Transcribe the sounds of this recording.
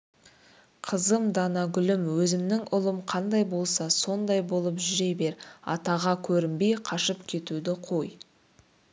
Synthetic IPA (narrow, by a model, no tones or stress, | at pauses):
qʰəzəmd̪ɑnɑɡʲʏlɪmwɵzɪmnɪŋʔʊlˠəmqʰɑnd̪ɑjbo̞lˠsɑso̞nd̪ɑjbo̞lˠəpʒʏʒejbe̞ɾɑ̰t̪ɑʁɑkʲʰɵɾɪmbejqʰɑʃəpkʲʰe̞t̪ud̪ɪqʰo̞j